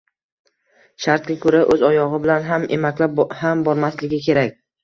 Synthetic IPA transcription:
ʃaɾt̪̚ɡʲakʰɵɾaʔɵzɒjɒʁɨbɪlanɦamʔe̞makʲlaphambɒɾmaslɪɡʲɪkʲʰe̞ɾakʲ

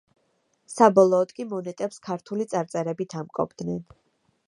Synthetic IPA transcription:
sabɔlˠɔːd̪kʼimɔnɛt̪ʼɛpskʰaɾt̪ʰulit̪sʼaɾt̪sʼɛɾɛbit̪ʰamkʼɔ̰bd̪̥nɛn

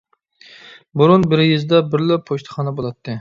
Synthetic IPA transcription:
buɾunbɪɾɪjɪzd̪ɛbɪɾlɪpʰoʃt̪ʰɨ̥χɑnɛbolˠɑt̪ʰːɨ

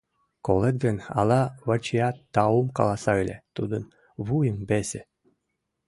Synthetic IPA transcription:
kolˠet̪̚ɡənɑ̰lˠɑβət͡ɕijɑt̪ːɑumkɑ̰lˠɑsɑɯlʲḛt̪ud̪ən | βujəmbesʲĕ

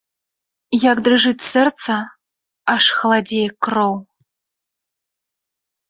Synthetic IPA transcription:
jakd̪rɨʐɨtʲsɛrt̪t͡s̪ɐ | aʂxɐlˠadʲejkːrow

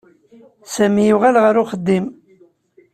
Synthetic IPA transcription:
sæmijuʁælʁəɾʊχəd̪ːim

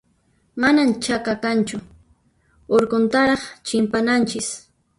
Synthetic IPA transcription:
manamt͡ʃakakant͡ʃʊ | oɾkont̪aɾɑχt͡ʃɪmpanant͡ʃɪs

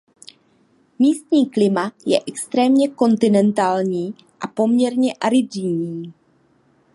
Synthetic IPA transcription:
miːst̪ɲiːklɪmajɛʔɛkst̪ɾɛːmɲɛko̞nt̪ɪnɛnt̪aːlɲiː | ʔapo̞mɲɛɾɲɛʔaɾɪdɪɲiː

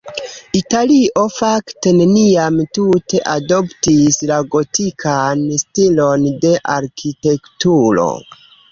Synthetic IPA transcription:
italio̞fakte̞ne̞niamtute̞ʔadoptislaɡo̞tikʰanstilo̞nde̞ʔaɾkʰite̞ktuɾo̞̰

